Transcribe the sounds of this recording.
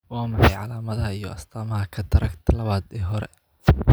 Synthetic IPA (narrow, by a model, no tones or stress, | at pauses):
waːmɑħɑjʕɑlaːmɐðɐɦɐijɔɐst̪ʰaːmɐɦɐkʰɐt̪ʰɐɾɐkt̪ʰɐlɐβaːd̪ɛːɦɔɾɛ